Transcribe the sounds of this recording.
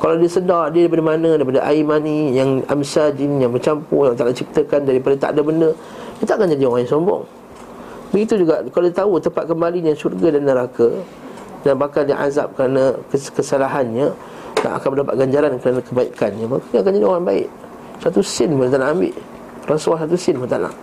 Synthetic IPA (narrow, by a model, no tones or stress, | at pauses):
kaladiəsədadiədajpadamanə̃daipadaʔa̰imanijaŋa̰msad͡ʒinjaŋbərt͡ʃampṵjaŋt̪anat͡ʃip̚t̪əkandaɾipadat̪a̰ʔdabəndə | jat̪aʔakand͡ʒadioɣaŋaŋsɔmbɔ̰ŋ | bəɡit̪ud͡ʒuɡaʔkaladit̪aut̪əmpat̪̚kəmbaliɲasurɡadanːəɾaka | danbakalndiʔa̰za̰p̚kəɾanakəkəsalaɦanɲə | na̰ʔa̰kanməndapa̰t̪̚ɡaɲd͡ʒaɾankəɾanãkəbaikanɲamakaɲakand͡ʒadioɣaŋbaɪ̰ʔ | sat̪usɪnmənt̪anaʔambɪ̰ʔ | raswasat̪̬usɪnmənt̪ana̰ʔ